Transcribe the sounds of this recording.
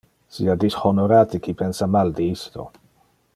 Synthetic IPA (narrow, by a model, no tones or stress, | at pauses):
sḭad̪ishɔnoɾaːt̪ikʰipʰɛnsamald̪iist̪o̰